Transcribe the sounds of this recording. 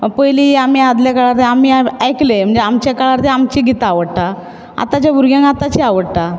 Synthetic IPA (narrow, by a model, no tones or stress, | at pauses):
pəjliamiːad̪ljakaɭaɾt̪eamiːajklem̤əɳd͡zeamt͡ɕakaɭaɾt̪eamt͡ɕiːɡit̪aʋəɽʈ̪a | a̰t̪at͡ɕjabuɾɡjãŋat̪at͡ɕiaʋəɽʈ̪a